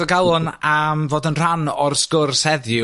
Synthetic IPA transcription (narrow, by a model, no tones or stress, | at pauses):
ɔɡalˠʊnamvoːdənr̥anɔrskʊrsɛðjʊ